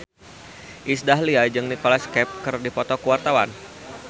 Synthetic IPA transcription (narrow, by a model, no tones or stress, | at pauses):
ʔisdaɦliad͡ʒɨŋnikɔlaskɛp̚kɨrdipɔt̪ɔkəwart̪awa̰n